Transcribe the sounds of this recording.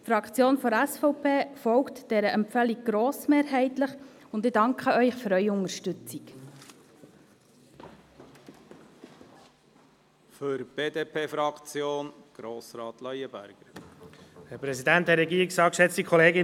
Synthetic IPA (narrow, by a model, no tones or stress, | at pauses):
tfɾɑkt͡sjoːnfɔɾæsfɔʊpʰeːfɔwktd̥ɛɾəʔɛmpfɛliɡ̚ɡ̥ɾoːsmeːɾɦɛɪtləχʊndɪdɑŋkχəœʏχføɾœʏʊŋəɾʃtʏt͡sik | føɾb̥eːdeːpʰeːfɾɑkt͡sjoːnɡ̥ɾoːsɾɑːt̪lɑjəbæ̰ɾɡ̥əɾ | hɛɾpɾɛsid̪ænt̚dɛɾɛɡiːɾiksɑːkʃɛt͡st̪ikʰɔleːɡɪ